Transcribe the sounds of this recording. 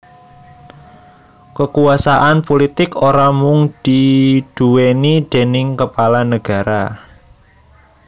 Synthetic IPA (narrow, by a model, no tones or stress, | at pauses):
kəkuasaʔanpolit̪ɪkoɾamʊŋd̪̥id̪̥ṳwenid̪̥e̤nɪŋkəpalanəɡ̥a̤ɾa